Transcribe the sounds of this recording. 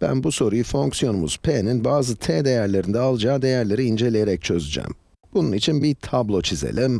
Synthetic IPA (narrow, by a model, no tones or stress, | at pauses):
b̥æ̰nbuso̞ɾujufo̞ŋksijo̞numṵz̥pʰeninbaːzɯt̪ʰed̪e̞jæɾlʲe̞ɾind̪ɛalˠɯd͡ʒaːd̪e̞jæɾlʲe̞ɾiːnd͡ʒelʲejeɾɛc̚t͡ʃʰø̞zyd͡ʒæ̰m | b̥ununit͡ʃʰinbit̪ʰablˠo̞t͡ʃʰizḛlʲim